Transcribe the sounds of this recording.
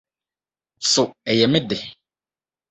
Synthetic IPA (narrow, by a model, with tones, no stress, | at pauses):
sʊ˨ɛ˨jɛ˨mɪ̃˦dɪ˨